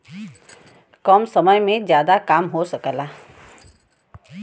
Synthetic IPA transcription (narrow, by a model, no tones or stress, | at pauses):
kəmsəməjmẽzjaːd̪akaːmɦosəkəla